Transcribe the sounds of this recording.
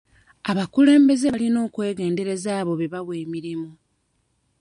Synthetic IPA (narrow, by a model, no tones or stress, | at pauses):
aβakule̞ːmbe̞zealino̞ːkwe̞ːɡe̞ːnde̞ɾe̞zaːβo̞βeβaβwe̞ːmiɾimu